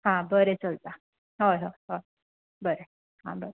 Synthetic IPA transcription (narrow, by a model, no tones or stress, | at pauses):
ɦãbəɾet͡səlt̪a | ɦojɦoɦoj | bəɾe | ɦã̰bəɾe